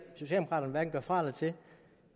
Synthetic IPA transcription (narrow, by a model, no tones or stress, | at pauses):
so̝ɕɛ̰ldemokʰɑ̈ːɾɐn̩ʋæɐd̥n̩ɡ̥ɶɐfʁɑ̈ːlət͡sʰe̝